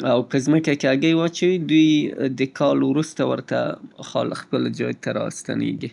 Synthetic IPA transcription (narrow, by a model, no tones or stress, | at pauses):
awpəzməkakeaɡəjwɑt͡ʃawid̪ujd̪əkʰɑlwɾust̪awəɾt̪a̰xɑ̰lxpəld͡ʒɑjt̪aɾɑ̰st̪a̰nḛɡi